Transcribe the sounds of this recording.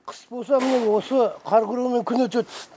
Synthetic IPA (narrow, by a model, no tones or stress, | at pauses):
qʰə̥sbo̞lˠs̬ɑmɪne̞wo̞səqʰɑɾqʊɾume̞ŋkʲʰʏnet̪ʒet̪